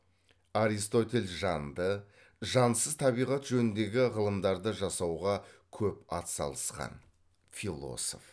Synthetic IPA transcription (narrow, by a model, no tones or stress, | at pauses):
aɾist̪o̞t̪ʲe̞lʲʒɑnd̪ə | ʒɑnsəzt̪ʰɑβijʁɑt̪ʒɵnɪnd̪e̞ɡʲɪʁəlˠəmd̪ɑɾd̪əʒɑsɑwʁɑkʲʰɵpɑt̪sɑ̰lˠəsqɑ̰n | filˠo̞̰so̞̰f